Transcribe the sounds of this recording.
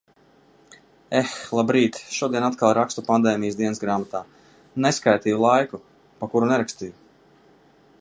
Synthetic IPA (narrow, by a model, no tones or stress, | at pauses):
exlˠabɾiːt̪ʃuɔd̪iɛnat̪̚kalˠɾakst̪upand̪ɛːmijəsd̪iɛnsɡɾaːmat̪aː | neskajt̪ijulˠajku | pakuɾunɛɾakst̪iju